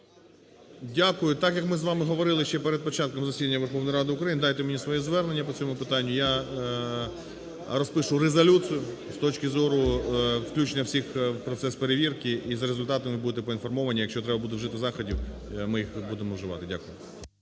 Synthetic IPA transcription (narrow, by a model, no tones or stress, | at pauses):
dʲakʊjʊt̪ɑkjɐkmɪzʋɑmɪɦɔʋɔɾɪlˠɪʃt͡ʃɛpeɾed̪̚pɔt͡ʃɑt̪̚kɔmzɐsʲid̪ɐnʲːɐʋerxɔʋnɐjɾɑd̪ɪʊkɾɐjinɪd̪ɑjt̪ɛmenʲisʋɔjizʋɛrne̞nʲːɐpɔt͡sʲɔmʊpɪt̪ɑnʲːʊja | ɾɔspɪʃʊɾezɐlʲut͡sʲijʊ | st̪ɔt͡ʃkɪzɔɾʊwklʲut͡ʃnʲɐwsʲixpɾɔt̪sɛspeɾeʋʲirkɪʔizɐɾezʊlʲt̪ɑt̪ɐmɪbud̪ɪt̪̬ɛpɔinfɔrmɔʋɐnʲijɐkʃʲt͡ʃɔt̪ɾɛbɐbud̪eʒɪt̪ɪzɑxɔdʲiwmɪjixbud̪emɔwʒɪʋɑ̰t̪ɪdʲakʊjʊ